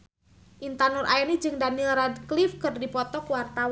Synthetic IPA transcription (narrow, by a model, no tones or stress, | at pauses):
ʔint̪anʊrʔaɛnid͡ʒɨŋdanilradklifkɨrdipɔt̪ɔkwart̪aw